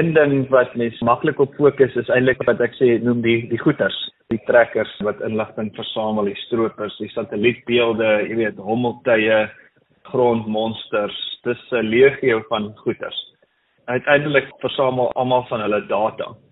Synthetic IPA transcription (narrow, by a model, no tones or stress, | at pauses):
əndəŋvɐtmɛnsmɐkləkɔpfuəkəsəsɛjntləkvɐtækseːnumdidiχutərsd̥itrækərsvɐtənləχtəŋfərsɑːməlˠdistruəpərsdisɐtəlit̚biəlˠdəjiəviətɦɔməlˠtəjə | χroːntmɔnstərstəsəliəχiəwfɐnχutə̰rs | œɥtʰɛjndələkfərsɑːməlˠɐ̰lˠmɐlˠfɐnɦələdɑːtɑ̰